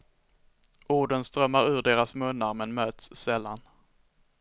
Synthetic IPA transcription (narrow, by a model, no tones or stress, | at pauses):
ʔuːɖənst̪ɾœmːaɾʉ̟ːɖeːɾasmɵnːaɾmɛnmøːt̪sːɛlːa̰n